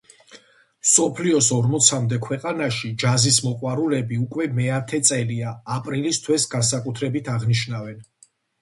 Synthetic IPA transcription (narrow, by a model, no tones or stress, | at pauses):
msɔpʰliɔsɔɾmɔt̪sʰamd̪ɛkʰwɛqʼanaʃid͡ʒazismɔqʼwaɾulɛbiukʼwɛmɛat̪ʰɛt̪sʼɛliaːpʼɾilist̪ʰwɛsɡans̬akʼut̪ʰɾɛbit̪ʰaʁniʃnavɛn